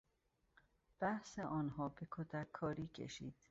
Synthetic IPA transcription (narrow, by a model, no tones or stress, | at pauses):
b̥æhseʔɒːnɦɒːbekʰod̪ækʰːɒːɾiːcʰḛʃḭːd̪̥